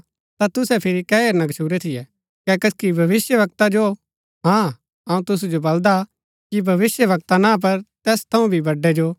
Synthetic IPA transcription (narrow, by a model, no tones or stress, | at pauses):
t̪at̪ʊsɛpʰɪɾikɛːeːɾnɐɡʃʰuːɾɛt̪ʰɪjɛ | kɛkɐskibʱɐʋɪsjəʋɐk̚t̪ad͡ʒo | ɦãː | ɐũt̪ʊsud͡ʒobɐld̪a | kibʱɐʋɪsjəʋɐk̚t̪anãːp̬ɐɾt̪ɛːst̪ʰɐũbʱibɐɖːɛd͡ʒoː